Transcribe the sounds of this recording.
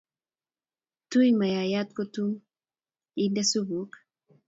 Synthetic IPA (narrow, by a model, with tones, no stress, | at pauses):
tu˦ima˨ja˨jat̪̚ko˦tu˦m | i˦ndɛ˦su˦bu˨k